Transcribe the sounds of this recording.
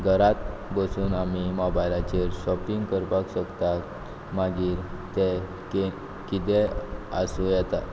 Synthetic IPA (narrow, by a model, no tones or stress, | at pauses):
ɡʱəɾat̪bəsuːnamimɔbajlat͡ɕeɾɕɔpiŋɡkəɾpakɕəkt̪a | maɡiːɾt̪ɛ | ke | kit̪ɛasujɛt̪a̰t̪